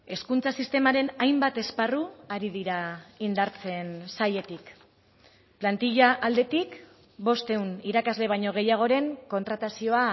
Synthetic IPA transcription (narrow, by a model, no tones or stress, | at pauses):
e̞skunt͡sasist̪e̞maɾe̞najmbat̪e̞sparuaɾiðiɾaind̪aɾt͡se̞nsaje̞t̪ik | plant̪iʎaʔald̪e̞t̪ik | bo̞st̪e̞uniɾakazle̞β̞ajɲo̞ɣ̞e̞jaɣ̞o̞ɾe̞ŋko̞nt̪ɾat̪asio̞a